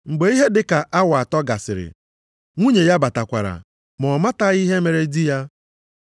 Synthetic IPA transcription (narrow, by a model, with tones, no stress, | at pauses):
ŋ͡m̩˨ɡ͡be˦i˦ɦe˦dɪ˦ka˨ʔa˦wa˨a˨tɔ˦ɡa˨sɪ̰˨ɾɪ̰˨ | ŋʷu˦ɲe˨ja˦ba˨ta˨kʷa̰˨ɾa̰˨ | mɔ˨ma˦ta˦i˦ɦe˦me˨ɾe˦di˦ja˦